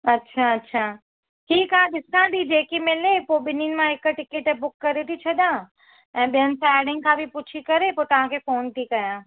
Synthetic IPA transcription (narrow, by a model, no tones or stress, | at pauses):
ɐtːʃʰaɐtːʃʰaː | ɦiːkãɗɪsãd̪id͡ʒeːkimɪlepoɓɪninɪ̆mãɦɪkʈɪkeʈbʊkːɐɾet̪ʰit͡ɕʰɐd̪ãː | ɛ̃ːɓijənɪ̆sãeːɽɪ̃ŋkʰãbʱipʊt͡ʃʰikɐɾepoːt̪ɐʋ̤ãkʰefoːnt̪ʰikɐjãː